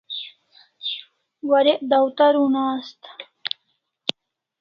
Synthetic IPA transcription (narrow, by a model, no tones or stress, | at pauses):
waɾeʔd̪awt̪aɾunaːst̪